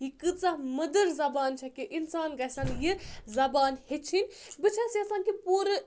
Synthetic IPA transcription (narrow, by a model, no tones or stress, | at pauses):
jikɨd̪t͡samɐd̪əɾzɐbaːnt͡ʃʰɐkiʔinsaːnɡɐsanjizɐbaːnhet͡ʃʰinʲ | bɨt͡ʃʰasiɐsaːnkipuɾɨ